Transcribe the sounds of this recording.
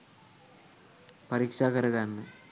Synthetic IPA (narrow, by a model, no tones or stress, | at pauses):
pɐɾiːkʂaːkɐɾuɣaːnːɨ